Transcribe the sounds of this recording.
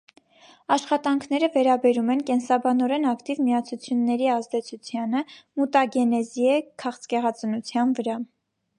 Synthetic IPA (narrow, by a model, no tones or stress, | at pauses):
ɑʃχɑt̪ɑŋkʰnɛɾəvɛɾɑbɛɾumɛnkɛnsɑbɑnɔɾɛnɑkt̪ivmiɑt͡sʰut͡sʰjunːɛɾiɑzd̪ɛt͡sʰut͡sʰjɑnəmut̪ɑɡɛnɛzjɛkʰɑχt͡skɛʁɑt͡sənut͡sʰjɑnvəɾɑ